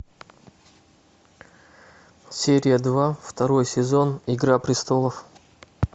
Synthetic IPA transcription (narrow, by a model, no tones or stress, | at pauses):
sʲeɾʲɪjəd̪vaft̪ɐɾo̞jsʲɪzo̞nɪɡɾapɾʲɪst̪o̞lˠəf